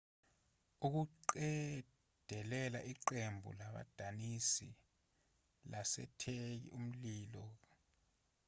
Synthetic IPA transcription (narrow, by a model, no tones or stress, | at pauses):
uk̬uǃɛ | d̥ʱɛlɛlaʔiǃembʱṵlaɓa̰d̥ʱanisi | lasɛ̰tʰekḭum̩liːlɔ